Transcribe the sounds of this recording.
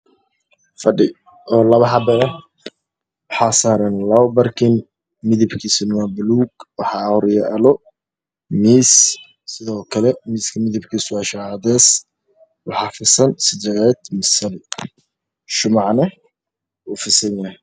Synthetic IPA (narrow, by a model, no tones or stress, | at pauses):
fɐɖɪ | ʔɔːlɐβɐɦɑbɛɐ | wɑħɑːsaːɾɐnlɐβɐbɐrkʰɪn | mɪðɪbkʰiːsʊnɪmabʊluːɡwɑħɑːhʊɾɪjɐʔɐlɔ | miːs | sɪðɔːkʰɐlɛmiːskʰɐmɪðɪbkʰiːsʊwaːʃaɐd̪ɛːs | wɑħɑːfɪsɐnsɪdɛʕɛːd̪mɪsɐl | ʃʊmɑʕnɐ | uːfɪsɐnjɐhɛ